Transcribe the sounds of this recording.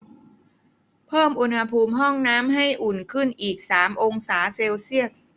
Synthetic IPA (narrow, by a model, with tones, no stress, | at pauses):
pʰɤː˥˩mʔu˧nha˧pʰuː˧mɦɔ˥˩ŋnaː˦˥mɦa˥˩jʔu˨˩nkʰɯ˥˩nʔiː˨˩k̚saː˩˦mʔo˧ŋsaː˩˦seː˧wsi˥˩ət̚